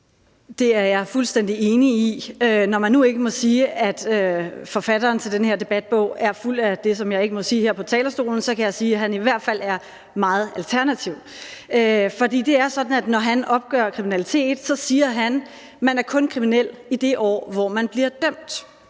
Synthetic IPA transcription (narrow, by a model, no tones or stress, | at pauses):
d̥e̝æɐjɑ̈ɪfulsd̥en̰d̥ie̝ːniiønɒmænːue̝ɡ̥əmɔ̽siːæd̥øfɒ̽fæd̥ɐːnt͡sʰe̝ld̥enhe̝ɐd̥e̝b̥æd̥̚b̥ɔ̰̽ʊ̰æɐful̰d̥æd̥e̝s̬ɒ̽mjɑ̈ɪe̝ɡ̥əmɔ̽siːheɐ̰pʰɒ̽t͡sʰɛ̰ːlɐsd̥o̝̰ːln̩sɒ̽kʰæjɑ̈ɪsiːɦæniʋæɐ̰d̥fæl̰æɐ | mɑ̈ːð̩ˠælt͡sʰæɐnæt͡sʰiʊ̰ | øfɒ̽d̥ḭːd̥e̝æɐsɒ̽d̥n̩æd̥nɒɦænɒ̽b̥̚ɡ̥œ̰ɐkʰʁiminælit͡sʰe̝̰ːd̥sɒ̽siːɐɦæn | mænæɐkʰɔ̽nkʰʁiminel̰id̥e̝ʔɒ̰ːʋɒmænb̥liɐd̥øm̰d̥